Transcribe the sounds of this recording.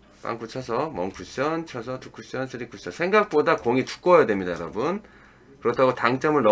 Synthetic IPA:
p͈a̰ŋk͈ʰut͡ɕʰʌsʰʌmʌŋkuɕ͈ʌnt͡ɕʰʌsʰʌtuk͈ʰːuɕ͈ʌnsʰɯɾik͈uɕ͈ʌnsʰe̞ŋɡak̚p͈odakoŋitu̥k͈ojadwemɲidajʌɾʌbun | kɯɾʌtʰaɡotaŋt͡ɕ͈ʌmɯɭnʌ

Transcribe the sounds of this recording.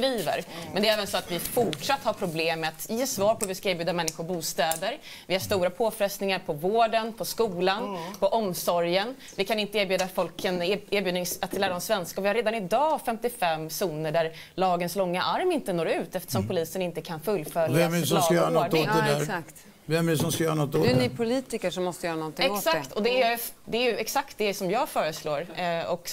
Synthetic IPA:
ɾiːvə̰ɾmɛnd̪ɛɾɛːvənsɔat̪vɪfʊʈʂat̪ːhaɾpʰɾʊbleːmːɛat̪jeːsvɑːɾpʰɔvɪskaɪːɾbjʉːd̪amɛnːɪɧʊɾbuːst̪ɛːd̪əɾ | vɪhaʂt̪uːɾapʰoːfɾɛst̪nɪŋaɾpʰɔvoːɖənpʰɔskuːlanpʰɔʔɔmsɔɾjən | vɪkʰanɪnt̪əeːɾbjʉ̟ːd̪afɔlkʰːəneːɾbjʉːd̪ɪŋsat̪læːɾaɔmsvɛnskaɔvɪhaɾeːd̪anɪd̪ɑːfɛmt̪ɪfɛmːsuːnəɖæɾ | lɑːɡənslɔŋːaʔaɾmɪnt̪ənoːɾʉ̟ːt̪ɛft̪ə̥ʂɔmpʊliːsənɪnt̪əkʰanfɵlːfœljɛmɛɾʉsɔajœːɾanɔod̪ɛd̪æɾsakt̪ | vɛmɛɖʉsɔmskajœːɾanɔt̪ːonɪpʰʊliːt̪ɪkəʂɔmːɔst̪əjœːɾanɔnt̪ɪɛŋosakt̪ʰɔd̪ɛæjjd̪ɛæɾjɵɛksakt̪̚d̪ɛsɔmjɑːɡfœːɾəsloːɾɔk

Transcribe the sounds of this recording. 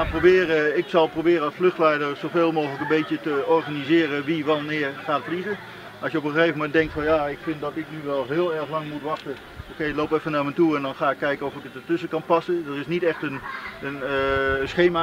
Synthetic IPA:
aprobɪːrəɪksɑlˠprobɪːɾəɑsfløxtlɛjdəɹsoveːlˠmoːxələkənbejtjətəɔrɣanizɪːrəʋiʋanɪːərχaːtfəlizə | ʔɑsjəopəəxeːvəmɛntdɛŋktfɑnjaːɪkfɪntdɔtɪknyʋɛlˠɦɪːlˠɛɹəxlɑŋmutʋɑxtə | okeɪloːpɛfənaːɹmɛjtuɛndɔnχaːɪkːɛjɪkəɔfɪkətətʏsəkɑnpɑsədərɪsnitɛxtənənsχeːma

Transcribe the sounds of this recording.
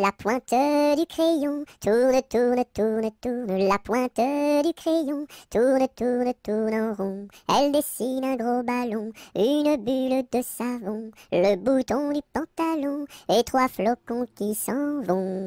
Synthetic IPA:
lapwɛ̃t̪əd̪ykχejɔ̃t̪ʰuʁnət̪uʁnət̪uʁnət̪uʁnəlapwɛ̃t̪əd̪ykχejɔ̃t̪ʰuʁnət̪uʁnət̪uʁnɑ̃ʁɔ̃ɛld̪esinɛ̃ɡʁobalɔ̃ynbyld̪əsavɔ̃ləbut̪ɔ̃d̪ypɑ̃t̪alɔ̃et̪χwaflɔkɔ̃kʲisɑ̃vɔ̃

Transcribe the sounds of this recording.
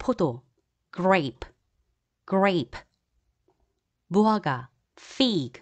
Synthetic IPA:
pʰʊt̪o | ɡ̥ɹep | ɡ̥ɹejp | buaɡa | fiːɡ

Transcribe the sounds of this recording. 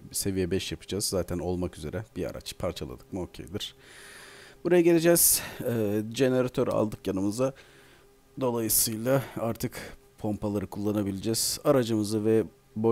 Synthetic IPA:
se̞vijɛbɛʃjapʰɯ̥d͡ʒazːaːt̪ʰæno̞lˠmakyze̞ɾʔɛb̥ia̰ɾa̰t͡ʃpʰaɾt͡ʃʰalˠa̰d̪ɯkmɯo̞cʰḛjd̪iɾ̥ | b̥uɾajaɟe̞lʲed͡ʒɛz̥ɛd͡ʒe̞ne̞ɾat̪ʰø̞ɾa̰lˠd̪ɯkjanɯmɯza | d̪o̞lˠajɯsɯjlˠaaɾt̪ʰɯkpʰo̞mpalˠaɾɯkʰulˠːanabilʲed͡ʒɛz̥aɾad͡ʒɯmɯzɯvɛ | bo

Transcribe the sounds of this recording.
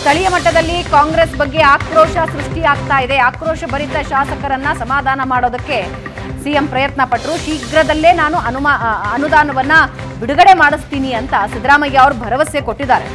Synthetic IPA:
t̪ɐɭijɐmɐʈːɐd̪ɐlːikaːŋɡɾe̞ːsbɐɡːe̞aːkɾoːʃɐsɾuʂʈiaːɡ̚t̪aːjid̪e̞aːkɾoːʃɐbɐɾit̪ːɐʃaːsɐkɐɾɐnːɐsɐmaːd̪ʱaːnɐmaːɽo̞ːd̪ɐkːe̞ | sijempɾɐjɐt̪nɐpɐʈːɐɾuʃiːɡɾɐd̪ɐlːe̞ːnaːnuʔɐnumaɐnud̪aːnɐʋɐnːɐ | biɽuɡɐɽe̞maːɽist̪iːniɐnt̪ɐsid̪ɾaːmɐjːɐɐʋɐɾubʱɐɾɐʋɐsjekoʈːid̪aːɾe̞

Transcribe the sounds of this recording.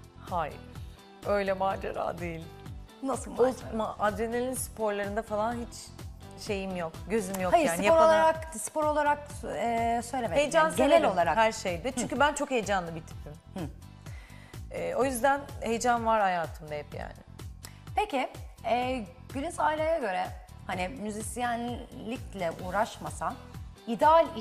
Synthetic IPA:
haj̰ɾ | ø̞jlʲɛmaːd͡ʒa̰ɾa̰ːd̪e̞jilʲnasɯlˠomaʔad̪ɾenelʲinspʰo̞ɾlˠaɾɯnd̪afalˠanɦit͡ʃ | ʃe̞jimjo̞kɟø̞zymjo̞kajjɾaːnijaopɾalˠaɾakspɾo̞lˠaɾak̚ɛːsøjlʲemhejd͡ʒannsenɛlʲo̞lˠaɾakhæɾʃejd̪ɪt͡ʃʰyɲcʰybænt͡ʃʰo̞khe̞jd͡ʒanlˠɯbit̪ʰi̥p̚t̪ʰin | ɛːʔo̞jyzd̪ænhe̞jd͡ʒanvaɾhajaːt̪ʰɯmd̪aɦɛpja̰ːnɪ̰ | pʰecɪɛː | ɟ̥ylʲyzaːilʲajaɟø̞ɾɛ | hanɪmyzisijænlːʲiclʲɛʔuːɾaʃmasan | id̪ɛalʲ

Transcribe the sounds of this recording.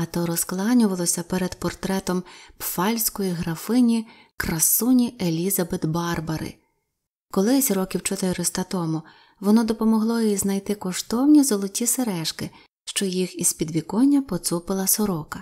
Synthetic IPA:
ɐt̪ɔɾɔsklˠɑnʲʊʋɐlˠɔsʲɐpɛɾed̪pɔrt̪ɾɛt̪ɔmpfɑlʲsʲkɔjiɦɾɐfɪnʲi | kɾɐsunʲielʲizɐbɪt̪bɑrbɐɾɪ̰ | kɔlˠɪsʲɾɔkʲiwt͡ʃɔt̪ɪɾɔst̪ɐt̪ɔmʊ | ʋɔnɔd̪ɔpɔmɔɦlˠɔjiznɐjt̪ɪkɔʃt̪ɔwnʲizɔlˠɔtʲiseɾɛʃkɪ | ʃt͡ʃɔjixizpʲid̪ʋʲikɔnʲːɐpɔt̪supɪlˠɐsɔɾɔkɐ

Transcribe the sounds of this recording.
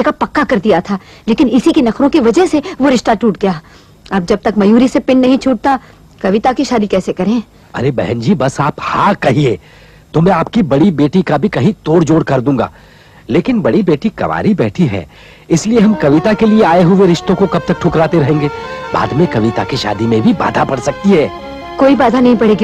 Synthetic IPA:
ekapɐkːakɐɾd̪ijat̪ʰaː | leːkɪnɪsikinɐkʰɾõkiʋɐd͡ʒəɦseʋoɾɪʃʈaʈuːʈɡɐjaː | aːp̚d͡ʒɐb̚t̪ɐkmɐjuːɾisepɪnːɐɦĩt͡ʃʰuːʈ̚t̪a | kɐʋɪt̪akiʃaːd̪ikɛːsekɐɾẽː | ɐ̰ɾebɛɦɛ̃nd͡ʒiːbɐsaːphãːkɐɦieː | t̪omɛ̃aːpkibɐɽibeːʈikabʱikɐɦĩt̪oːɽd͡ʒoːɽkɐɾd̪ũːɡa̰ː | leːkɪnbɐɽibeːʈikɐ̰ʋa̰ːɾibɛ̰ːʈʰiɦɛ̰ː | ɪslieɦɐmkɐʋɪt̪akelieaːeɦʊʋeɾɪʃt̪õkokɐb̚t̪ɐk̚ʈʰʊkɾaːt̪eɾɐɦẽːŋɡeːba̰ːd̪mẽkɐʋɪt̪akiʃa̰ːd̪imẽbʱiba̰ːd̪ʱapɐɽsɐk̚t̪iɦɛː | koːibaːd̪ʱanɐɦĩpɐɽ̤eːɡ

